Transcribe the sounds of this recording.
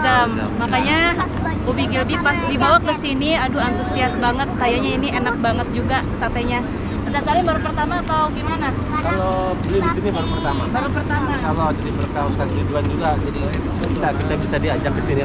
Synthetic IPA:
zamːakaɲa | ubiɡilbipasdibawak̚ɡəsiniaduant̪usiasbaŋət̪̚kajaɲainianak̚baŋət̪̚d͡ʒuɡasart̪aɲa | masasalɪnbaɾupərt̪amaːt̪awɡimana | kalo | bəlɪdisinibaɾupərt̪amabaɾupərt̪amaaloadadipərt̪aunsanɾiduand͡ʒuɡad͡ʒadi | kit̪akit̪abisadiad͡ʒak̚kəsini

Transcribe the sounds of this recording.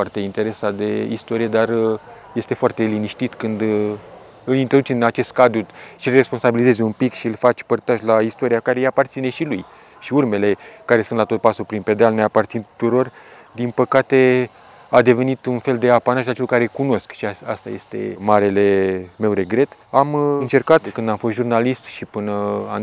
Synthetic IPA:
fart̪e̞int̪e̞ɾe̞sad̪e̞ḭst̪o̞ɾije̞d̪ar | je̞st̪e̞foart̪e̞liniʃt̪it̪kɨnd̪ | ɨlint̪ɾod̪ut͡ʃenat͡ʃe̞st̪̚kad̪ɾuʃiɨlre̞spo̞nsabilize̞zeumpikʃiɨlfat͡ʃʲpərt̪aʒlaist̪o̞ɾiakaɾejapart̪sine̞ʃiluj | ʃiurme̞le̞kaɾe̞sunt̪lat̪o̞t̪̚pasupɾinpe̞d̪ealne̞apart̪sint̪u̥t̪uɾo̞r | d̪inpəkat̪e̞ | ad̪e̞ve̞nit̪unfe̞ld̪e̞apanaʒat͡ʃelukaɾe̞kuno̞skʃiaa̰st̪a̰je̞̰st̪e̞̰maɾe̞le̞me̞wɾe̞ɡɾe̞t̪ | amɨnt͡ʃe̞rkat̪kɨnd̪amfost̪ʒurnalist̪ʃipɨnəa

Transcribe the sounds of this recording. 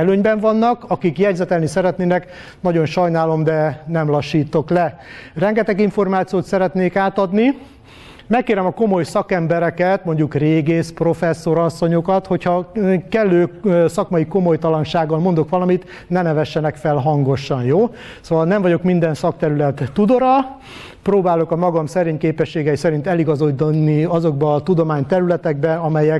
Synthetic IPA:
ɛløːɲbɛɱvɒnːɒkɒkikjɛɟzɛt̪ɛlnisɛɾɛt̪neːnɛk | nɒɟo̞nʃɒjnaːlo̞md̪ɛnɛmlɒʃːiːt̪o̞klɛrɛŋɡɛt̪ɛɡiɱfo̞rmaːt̪sijoːt̪sɛɾɛt̪neːkaːt̪ɒd̪ni | mɛkːeːɾɛmɒko̞mo̞jsɒkɛmbɛɾɛkɛt̪mo̞ɲɟukreːɡeːspro̞fɛsːo̞ɾɒsːo̞ɲo̞kɒt̪ho̞chɒkɛlːøːsɒkmɒjiko̞mo̞jt̪ɒlɒnʃaːɡːɒlmo̞nd̪o̞kʋɒlɒmit̪ | nɛnɛvɛʃːɛnɛkfɛlɦɒŋɡo̞ʃːɒnjoː | soːvɒlnɛɱvɒɟo̞kmind̪ɛnsɒkt̪ɛɾylɛt̪ːud̪oɾɒ | proːbaːlo̞kɒmɒɡɒmsɛɾeːɲkeːpɛʃːeːɡɛjisɛɾint̪ɛliɡɒzod̪nːiɒzo̞ɡbɒːt̪ud̪o̞maːɲt̪ɛɾylɛt̪ɛɡbɛɒmɛjɛk

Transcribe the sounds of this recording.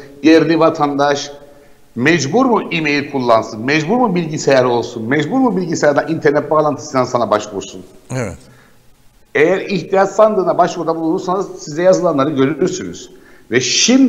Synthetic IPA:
jeɾlʲivat̪ʰand̪aʃ | mɛd͡ʒbuɾmuʔimejlʲkʰulˠːansɯnmɛd͡ʒbuɾmubilʲɟisejæɾo̞lˠsunmɛd͡ʒbuɾmubilʲɟisejæɾd̪anint̪ʰɛɾnɛt̪̚baːlˠant̪ʰɯsɯnd̪ansanabaʃvuɾsunɛ | ejæɾiçt̪ʰijat͡ʃ̪land̪ɯːnabaʃvuɾd̪abulˠunɾuɾsansizɛjazɯlˠanlˠaɾɯɟø̞ɾyyɾsyny̰z̥vɛʃimd̪

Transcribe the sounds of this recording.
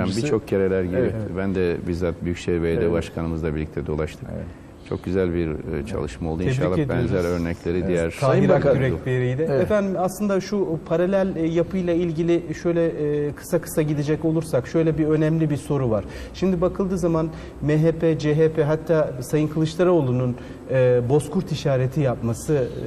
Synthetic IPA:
ambit͡ʃʰo̞k̚ɟe̞ɾelʲæɾɟiɾɛbænd̪ɛbizat̪̚byjycseɾbej̪ɛbaʃkʰanɯmɯzd̪ˠabiɾlʲic̚ʲt̪ʰɛd̪o̞lˠaʃt̪ʰɯ̥k | t͡ʃʰo̞̰k̚ɟyzælʲbiɾt͡ʃʰa̰lˠɯʃmalˠd̪uiʃalˠːabɛnzælʲøɾnɛclʲeɾid̪ijæɾʰaːiɾakyɾɛlʲeɾijd̪ɛefænd̪imaslˠɯnd̪aʃupʰaɾalʲælʲjapʰɯjlˠailʲɟilʲɪʃø̞jlʲɛkʰɯ̥sakʰɯ̥saɟid̪ed͡ʒɛco̞lˠuɾsakʃø̞jlʲɛbiø̞nɛmlʲibiɾso̞ɾuvaɾ̥ | ʃimd̪ibakʰɯlˠd̪ɯːzaman | meɦepʰɛd͡ʒeɦepʰɛɦat̪ʰːaːsajɯŋkʰɯlˠɯʃlˠaɾao̞lˠunun | ɯbo̞skʰuɾt̪ʰiʃaːɾet̪ʰijapmasɯ

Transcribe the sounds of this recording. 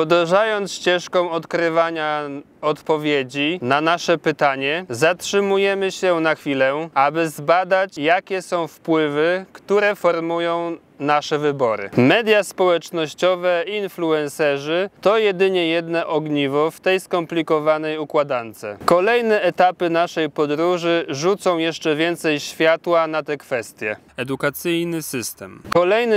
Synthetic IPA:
ɔd̪ɛʐajɔnt̪sɕt͡ɕɛʂkɔ̃w̃ɔt̪kɾɘvaɲa | ɔt̪pɔvʲjed͡ʑinanaʂɛpɘt̪aɲɛzatʂɘmujɛmɘɕɛnaxfʲilɛabɘzbad̪at͡ɕjakʲɛsɔ̃w̃fpwɘvɘkt̪uɾɛfɔɾmujɔ̃w̃ | naʂɛvɘbɔɾɘ̰mɛd̪ʲjaspɔwɛt͡ʂnɔɕt͡ɕɔvɛiinfluɛ̃nsɛʐɘt̪ɔjɛd̪ɘɲɛjɛd̪nɛʔɔɡɲivɔft̪ɛjskɔmplʲikɔvanɛjukwad̪ant̪sɛkɔlɛjnɛɛt̪apɘnaʂɛjpɔd̪ɾuʐɘʐut̪sɔ̃w̃jɛʂt͡ʂɛvʲjɛnt̪sɛjɕfʲjat̪wanat̪ɛkfɛst̪ʲjɛ | ɛd̪ukat̪sɘjnɘsɘst̪ɛmkɔlɛjnɘ

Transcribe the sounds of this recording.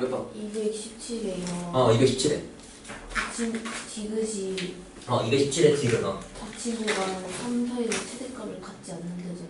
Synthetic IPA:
ɡtʰoibek̚ɕʰip̚t͡ɕʰiɾejʌaiɡeɕʰip̚t͡ɕʰiɾe | tat͡ɕʰint͡ɕiɡɯɕʰi | ʌiɡʌɕʰip̚t͡ɕʰiɾet͡ɕiɡɯnʌtat͡ɕʰimuɡansʰams̬ʰaet͡ɕʰedek͈amɯɭkat̚t͡ɕ͈ianːɯnded͡ʑo

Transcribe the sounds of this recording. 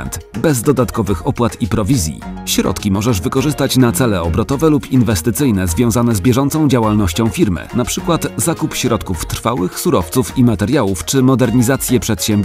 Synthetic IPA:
nt̪bɛzd̪ɔd̪at̪kɔvɘxɔpwat̪ipɾɔvʲizʲjḭɕɾɔ̰t̪kʲimɔʐɛʐvɘkɔʐɘst̪at͡ɕnat̪sɛlɛɔbɾɔt̪ɔvɛlupinvɛst̪ɘt̪sɘjnɛzvʲjɔ̃w̃zanɛzbʲjɛʐɔnt̪sɔ̃w̃d͡ʑawalnɔɕt͡ɕɔ̃w̃fʲiɾmɘ̰napʂɘkwat̪zakupɕɾɔt̪kuft̪ɾ̥fawɘxsuɾɔft̪sufimat̪ɛɾjawuft͡ʂɘmɔd̪ɛɾɲizat̪sʲjɛpʂɛt̪ɕɛmbʲ

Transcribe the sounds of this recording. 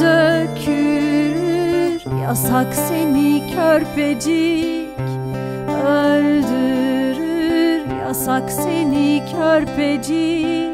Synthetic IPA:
økʰyyɾja̰saksenicʰøɾpʰed͡ʒi | c | øɾd̪yɾɾja̰saksenicʰøɾpʰed͡ʒi

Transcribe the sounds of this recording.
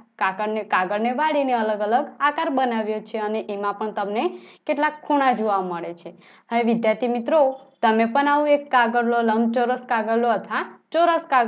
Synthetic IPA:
kakəɽnekaɡəɽneʋaɽineələɡələɡakaɾbənaʋjot͡ʃʰeəneʔemãpəɳt̪əmnekeʈlakʰːuɽ̃ãd͡ʒoʋaməɭet͡ʃʰe | ɦəjʋɪd̪jaɾt̪imit̪ɾot̪əmepəɳaʋũekːaɡəɾloləmbt͡ʃəɾəskaɡəɾloət̪ʰʋat͡ʃoɾəskaɡ

